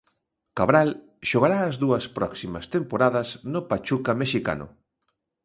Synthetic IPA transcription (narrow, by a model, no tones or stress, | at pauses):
kaβɾal | ʃoɣaɾaːzðuɐspɾɔksimɐst̪empoɾaðɐznopat͡ʃukameʃika̰nʊ̰